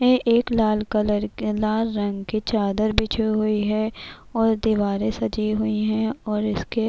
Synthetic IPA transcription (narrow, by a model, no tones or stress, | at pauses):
eʔeːklaːlkɐləɾlaːlːɐ̃ŋɡkit͡ʃaːd̪əɾbʱit͡ʃʰiɦʊiɦɛ | ɔːɾd̪iʋaːɾẽsɐd͡ʒiɦʊiɦɛ̃ɔːɾɪske